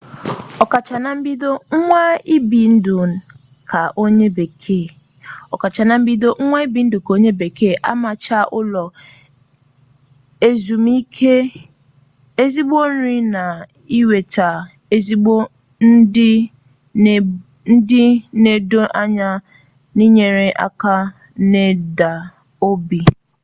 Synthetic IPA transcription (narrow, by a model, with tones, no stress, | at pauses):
ɔ˨ka˨t͡ʃa˨na˦m̩˦bi˦do˦ŋ̩˦ŋʷa˦i˦bi˨n̩˦dʊ˨ | kʰa˨ʔo˦ɲe˦be˨kʰe˦˨ | ɔ˨ka˨t͡ʃa˨na˦m̩˦bi˦do˦ŋ̩˦ŋʷa˦i˦bi˨n̩˦dʊ˨ka˨o˦ɲe˦be˨ke˦˨ʔa̰˦ma˨t͡ʃa˦ʔʊ̰˦lɔ˨ | e˦zu˨mi˦kʰe˦ | e˦zi˦bo˦n̩˦ɾĩ˦nã˨ | i˦we˨tʰa˨ | e˦zi˦o˦ | n̩˦dɪ˦˨ | n̩˦dɪ˦ne˨do˦ʔa˦ɲa˦ | nɪ̃˦ɲe˨ɾe˦ʔa̰˨ka˦ | ne˦da˨ | o˦bi˨